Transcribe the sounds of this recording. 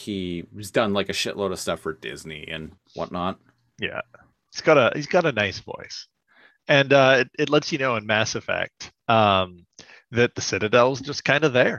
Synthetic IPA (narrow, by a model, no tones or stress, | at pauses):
hiwʌzdʌ̃nlaɪkɨʃɪʔˡloʊɾʌv̥stʌfə˞dɪ̰zniʔɨ̰̃n | wʌ̰tⁿnət̚ | jæ̰ | hiz̥ɡ̥ɑɾɨhizɡɑɾɨnaɪsv̥ɔ̰ɪs | ɨ̃nʌɪɾɨtˡlɛtsjɨnoʊɨ̃nmæsɨv̥fæ̰k̚t̚ | ʌ̃m | ðɨt̪̚ðɨsɪɾɨdɛlˠwʌzd͡ʒʌskʰãɪ̃ndəðə˞